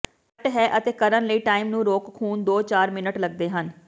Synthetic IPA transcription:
ʈɦɛːʔət̪eːkəɾənləiːʈaːiːmnũːɾoːkkʰuːnd̪oːt͡ʃaːɾmɪnəʈləɡ̚d̪eːɦən

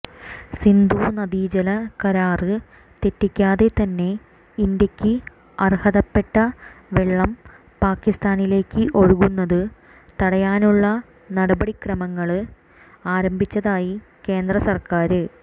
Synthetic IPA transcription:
sind̪uːnɐd̪iːd͡ʑɐlɐkɐɾaːrɨ | t̪e̞tːikʲːaːðe̞t̪ɐnːe̞ | ind̪jɐkʲːɨ | ɐrhɐðɐpːe̞ʈːɐʋeɭːɐm | paːkːist̪aːnile̞ːkːɨʔo̞ɻuɣunːɐðɨ | t̪ɐɽɐjaːnuɭːɐ | nɐɽɐbɐɽikrɐmɐŋːɐɭ | aːɾɐmbʱit͡ɕːɐðaːji | ke̞ːnd̪rɐsɐrkaːɾɨ

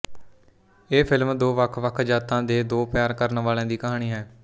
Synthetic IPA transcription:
eːpʰɪlmd̪oːʋəkʰʋəkʰd͡ʒaːt̪ãːd̪eːd̪oːpjaːɾkəɾnʋaːlẽːd̪iːkəɦaːɽ̃iːɦɛː

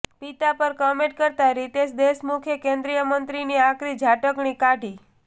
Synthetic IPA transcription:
pit̪apəɾkəmẽʈ̚kəɾt̪aɾit̪eʃd̪eʃmukʰjəkẽnd̪ɾijəmənt̪ɾiniakɾid͡ʒʱaʈəkɳikaɖʱi

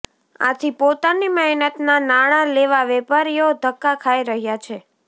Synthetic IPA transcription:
a̰t̪ʰipot̪animəɦnət̪nanaɽ̃aleʋaʋepaɾijod̪ʱəkːakʰaiɾəɦjat͡ʃʰe

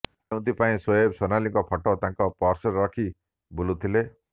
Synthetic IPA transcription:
ew̃t̪ipaĩsɔjebsɔnaliŋkɔpʰɔʈot̪ãŋkɔpɔɾsɔɾɾɔkʰi | bulũt̪ʰile

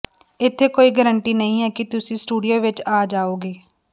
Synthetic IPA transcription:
ɪt̪ʰːeːkoːiːɡəɾəɳʈiːnəɦĩːɦɛːkɪt̪ʊsĩːsʈuːɖijoːʋɪt͡ʃaːd͡ʒaːoːɡeː

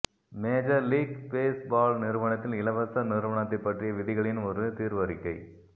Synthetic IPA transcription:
meːd͡ʒɐɾliːɡbeːsbaːlnɪɾɯʋɐɳɐt̪ːɪlɪlɐʋɐsɐnɪɾɯʋɐɳɐt̪ːɐɪpːɐʈrɪjɐʋɪðɪɣɐɭɪnɔɾɯt̪iːɾʋɐɾɪkːɐɪ

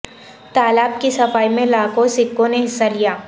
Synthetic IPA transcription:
t̪aːlaːb̚kisɐfaːimẽlaːkõsɪkːõneɦɪsːalijaː

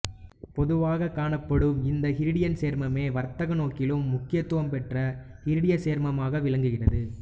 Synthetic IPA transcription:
pɔðɯʋaːɣɐkːaːɳɐpːɐɽɯmɪnd̪ɐhɪɾɯɽɪjɐnseːɾmɐmeːʋɐɾt̪ɐɣɐnoːkɪlɯmːʊkːɪjɐt̪ːɯʋɐmpɛʈrɐ | hɪɾɯɽɪjɐseːɾmɐmaːɣɐʋɪɭɐŋɡɯɣɪrɐðɯ

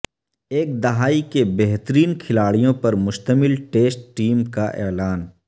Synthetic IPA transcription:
eːk̚d̪ɐɦaːikebɛɦt̪əɾiːnkʰɪlaːɽijõpɐɾmʊʃt̪əmɪlʈeːsʈʈiːmkaʔɛ̰ːlaːn

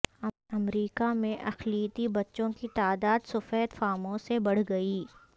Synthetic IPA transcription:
ɐmɾiːkamẽʔɐxliːt̪ibɐtːʃõkit̪aːd̪aːd̪sʊfɛːt̪faːmõsebɐɽ̤ɡɐiː

